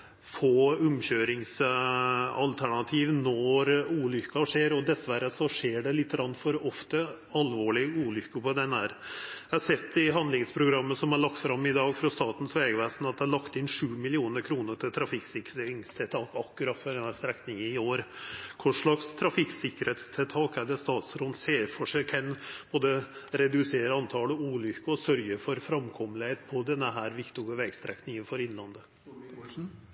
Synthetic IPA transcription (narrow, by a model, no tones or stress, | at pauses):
foːʉmɕøːɾɪŋs | ɑlt̪ʰæɳɑt̪ʰiːʋnɔɾuːlʏkːɑʂeːɾɔd̪ɛsʋæɾːəsɔʂeːɖɛlɪt̪ːəɡɾɑnfɔɾɔft̪ə | ɑlʋoːɭɪuːlʏkːəpɔd̪ɛnːæːɾɛhɑsɛt̪ːɪɦɑnd̪lɪŋspʰɾʊɡɾɑmːəsɔmɑɭɑkt̪fɾɑmːɪd̪ɑːɡfɾɑst̪ɑːt̪n̩sʋeːɡəʋeːsnɑt̪̚d̪ɛæɭɑkt̪ɪnʂʉːmɪlɪuːnəɾkʰɾuːnəʈʰɪlt̪ʰɾɑfɪksɪkːɪŋst̪ʰɪt̪ʰɑːkɑkːʉɾɑt̪fɔɖɛnhæːst̪ɾɛknɪŋənɪoːɾkʰʊʂɭɑkst̪ʰɾɑfɪksɪkːəɾhɛːt̪st̪ʰɛlt̪ʰɑːkæɖɛst̪ɑːt̪sɾɔnseːɾfɔʂɛkʰɛnb̥oːd̪əɾɛd̪ʉseːɾəɑnt̪ʰɑːləuːlʏkːəɔsœɾjəfɔɾfɾɑmkʰɔmlɪheːt̪pʰɔd̪ɛnːəɦæːɾʋɪkt̪ʊɡəʋɛɡst̪ɾɛknɪŋənfɔɾɪnːlɑnd̪ə